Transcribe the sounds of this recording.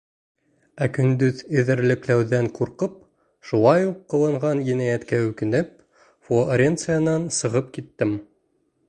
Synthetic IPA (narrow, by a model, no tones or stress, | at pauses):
ækɵ̆nd̪ɵðɘ̆ðɘ̆ɾlɘ̆klæwðæŋquɾqɤp̚ | ʃulˠɑjuqːɤ̆lˠɤ̆ɴʁɑnjinæjæt̪kæʉkɘ̆nɘp̚ | foɾʲent̪sɨjanɑnsɤ̆ʁɤp̚kit̪ːɘm